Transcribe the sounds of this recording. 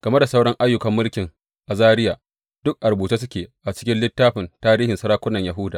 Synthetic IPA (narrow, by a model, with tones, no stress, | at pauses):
ɡ̥ɐ˨me˦da˨sa˦wɽɔ˦ŋʔa˦jːʊ˨kɐ˨mːʊ˦lkʲɪ˨ŋ | ʔa˨zaː˦ɾɪ˦jaː˨ | d̥ʊ˦k̚ʔa˨rbuː˨t͡ʃe˦s̬ʊ˦kʲeː˨ʔa˨t͡ʃɪ̥˦kʲɪ˦nlɪ˦tːaː˦ɸɪ˨ntaː˦ɾiː˦hɪ˨nsɐ˦ɾaː˦kʷʊ˦nːɐ˨ɲja˨ɦʊ˦daː˨